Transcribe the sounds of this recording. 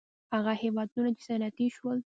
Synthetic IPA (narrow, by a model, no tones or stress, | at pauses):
haɣahewɑd̪unat͡ʃe̥sanat̪iʃwəl